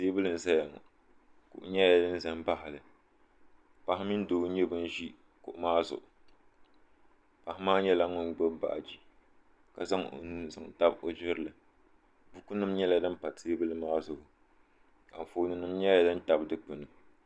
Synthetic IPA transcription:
teː˦bɨ˦lɨ˨n̩˨za˦ja˨ŋɔ̰˨ | kʊ̰˨ʔʊ˦ɲɛ˦a˨dɨ˦n̩˦za˨ŋba˦hɪ˨lɨ˨ | pa˨hɪ˦mi˦n˦doː˨˦ɲɛ˦bɨ˦n˦ʒi˦ | kʊ̰˨ʔʊ˨˦maː˦zʊ̰˨ʔʊ˨ | pa˨hɪ˦maː˦ɲɛ˦la˦ŋʊ˦nɡ͡bɨ˦bba̰˨ʔd͡ʒi˦ | ka˨za˦ŋo̰˨nu˦˨zɨ˨ŋta˦bo˨d͡ʒɪ˦ɾlɨ˨ | bu˦ku˦nɨ˦m˦ɲɛ˦la˦dɨ˦n˦pa˨teː˦bɨ˦lɨ˦maː˦zʊ˨ʔʊ˨ | ka˨foː˨˦nɨ˦nɨ˦mɲɛ˦la˨˦dɨ˦n̩˦ta˨bdɨ˦k͡pɨ˨nɨ˨

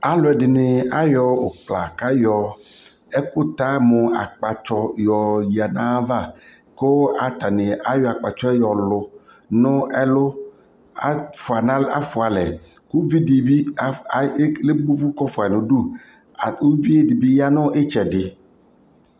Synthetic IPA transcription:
a˦lʊ˨˦ɛ˨ɖɪ˨nɪ˨a˦jɔ˨o˨k͡pla˨ka˦jɔ˨ | ɛ˦kʊ˦t̪a˦mʊ˨a˨k͡pa˨t͡ʃɔ˦jɔ˨ji˨a˨nã˦va˦˨ | ko˦a˨t̪a˨nɪ˨a˦jɔ˦˨a˨k͡pa˨t͡ʃɔ˦ɛ˦jɔ˨lʊ˨ | nʊ̃˦ɛ˦lʊ˦ | a˦fʊ˨a˨nã˦a̰˦fʊ˨a˨lɛ˨ | ku˦vi˦di˨bi˦˨˦ | le˦ɡ͡bu˦vu˦kɔ˦fo˨a˨nʊ̃˨ɖu˦˨ | wu˦vi˦e˦di˨bi˦ja˦nʊ̃˦ʔe˦t͡ʃɛ˨dɪ˨

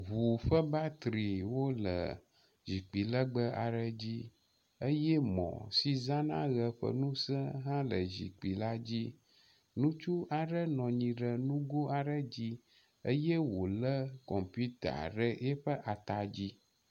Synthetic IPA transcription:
βu˨ɸə˦ba˦t̪ɾi˨wo˦lə̰˨ | zi˨k͡pi˨lə˦ɡ͡bə˦ʔa˨ɖə˦d͡ʑi˦ | ə˦jɛ˦mɔ̰̃˨si˨za˦nã̰˦ɣə˨ɸə̰˦˨nũ˦sə˦ɦã˦lə˨zḭ˨k͡pi˨la˦d͡ʑi˦ | nũ˦t͡ʃu˦ʔa˨ɖə˦nɔ̃˨ɲĩ˨ɖə˨nũ˦ɡo˦a˨ɖə˦d͡ʑi˦ | ə̰˦je˦wo˨lə˦kɔ˨mpu˦t̪a̰˨a̰˨ɖə˦e˦ɸə˦ʔa˨t̪a˨d͡ʑi˦

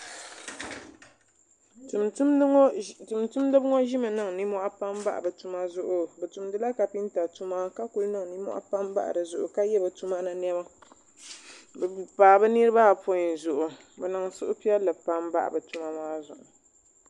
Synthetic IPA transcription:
tɨ˨mtu˦mdɨ˦bŋɔ˦ʒi˦mɨ˨nɨ˨ŋ˨ni˦mɔ˦ʔa˦pa˦mba̰˦ʔa̰˨bɨ˨tu˦ma˦zʊ˦ʔʊ˨bɛ˨tu˨mdɨ˦la˦ka˨pi˦n˦ta˨tu˦ma˦ka˦ku˨lnɨ˦˨ŋ˨ni˦mɔ̰˦ʔa̰˦pa˦mba̰˦ʔa̰˨dɨ˨zʊ˨ʔʊ˨ka˦jɛ˦bɨ˨tu˦ma˦na˦n˦ɛ˦ma˦ | bpaː˨bɨ˦ni˦ɾɨ˦ba˦˨po˦i˨nzʊ˨ʔʊ˨ | bɛ˨nɨ˨ŋsʊ̰˦ʔʊ˦pi˦ɛ˦lɨ˨pa˦mba̰˦ʔa̰˨bɨ˨tu˦ma˦maː˦zʊ̰˨ʔʊ˨

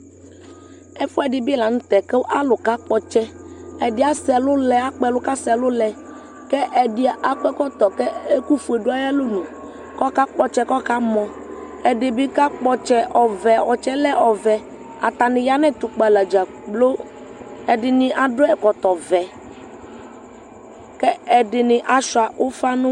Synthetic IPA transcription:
ɛ˦fʊ˦ɛ˨ɖɪ˨bi˦la˨ŋũ˦t̪ɛ˨kɛ˦ʔa˦lʊ˨ka˦k͡pɔ˦t͡ʃɛ˦ɛ˨dɪ˦a˦sɛ˨lʊ˦lɛ˨a˦k͡pɛ˨lʊ˦ka˦sɛ˨lʊ˦lɛ˨ | kɛ˦ʔɛ˨dɪ˦a˦kɛ˦kɔ˦t̪ɔ˨kɛ˦e˦ku˦fu˨e˨ɖʊ˦a˦ja˦lo˦nũ˨ | kɔ˦ka˦k͡pɔ˦t͡ʃɛ˦kɔ˦ka˦mɔ̃˦ | ɛ˨dɪ˨bɪ˦ka˦k͡pɔ˦t͡ʃɛ˦ʔɔ˨vɛ˨ɔ˨t͡ʃɛ˦lɛ˦ʔɔ˨vɛ˨ | a̰˨t̪a˨nɪ̃˨ja˦nɛ̃˦t̪ʊ˨k͡pa˨la˨d͡ʒa˨ | k͡plo˦ | ɛ˨dɪ˨nɪ̃˨ʔa˨dʊ˦ɛ˨kɔ˨t̪ɔ˨vɛ˨ | kɛ˦ɛ˨dɪ˨nɪ̃˨ʔa˨ʃa˨ʔʊ˦fa˦nʊ̃˦

